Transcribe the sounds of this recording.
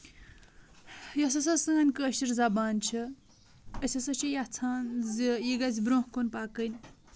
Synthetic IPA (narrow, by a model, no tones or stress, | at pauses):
jɐs̬ɐsɐsɨɐnʲkəːʃiɾzabaːnt͡ʃʰi | ɐsʲɐsɐt͡ʃʰijɐt͡sʰaːnzjiɡɐzʲbɾõhkonpaːkənʲ